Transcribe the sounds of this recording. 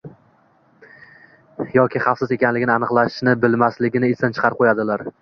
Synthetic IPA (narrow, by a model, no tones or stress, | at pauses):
jɒkʲʰɪχɑfsɪze̞kʲanlɪɡʲɪnɪanɨqlˠaʃnɪbɪlmaslɪɡʲɪnɪɪst̪ant͡ʃʰɨ̥qʰɑɾ̚qʰojad̪ɪlaɾ